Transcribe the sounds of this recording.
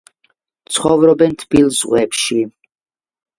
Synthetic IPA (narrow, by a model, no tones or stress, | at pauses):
t̪sʰχɔvɾɔbɛnt̪ʰb̥ilˠzʁwɛpʃi